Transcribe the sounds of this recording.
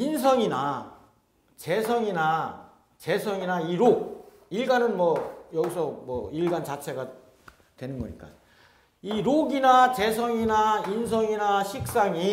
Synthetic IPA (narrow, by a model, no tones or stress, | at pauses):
insʰʌŋina | t͡ɕe̞sʰʌŋina | t͡ɕe̞sʰʌŋinaiɾoɡ̚ | iɭɡanɯnmwʌjʌɡisʰʌmwʌiɭɡant͡ɕat͡ɕʰe̞ɡa | twe̞nɯnɡʌɲḭk͈a̰ | iɾoɡinat͡ɕe̞s̬ʰʌŋinains̬ʰʌŋinaɕʰik̚s͈aŋi